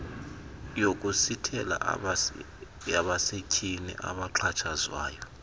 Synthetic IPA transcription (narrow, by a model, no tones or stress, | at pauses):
jok̬ʼusitʰɛla̰ | aɓasecʰʼinḭʔa̰ɓaǁʰat͡ʃʰazwa̰ːjɔ